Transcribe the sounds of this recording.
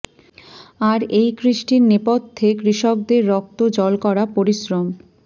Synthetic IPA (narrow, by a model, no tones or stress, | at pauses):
aɾejkɾiʃʈiɾnepod̪t̪ʰːekɾiʃok̚d̪eɾːɔk̚t̪od͡ʑɔlkɔɾapoɾiʃɾom